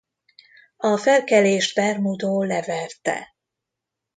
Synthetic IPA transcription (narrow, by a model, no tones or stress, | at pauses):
ɒfɛlkɛleːʒd̪bɛrmud̪oːlɛvɛrt̪ɛ̰